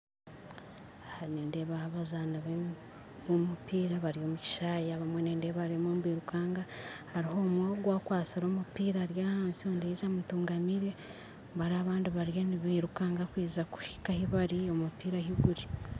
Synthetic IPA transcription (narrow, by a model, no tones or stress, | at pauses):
ahaneːndeβahβazanaβe | βomupiːɾaβaɾijo̞ːmuci̥ʃaːjaβamweneːndeβaɾemoːmβwiːɾukaːŋɡahaɾiɦo̞mwaɡwaːkwaːsiɾomupiːɾaɾjaːhaːnsioːndiizamutuːŋɡamiɾe | βaɾaβaːndiβaɾjoniβiːɾukaːŋɡakwiːzaku̥hi̥kahiβaɾiomupiːɾahiɡuɾi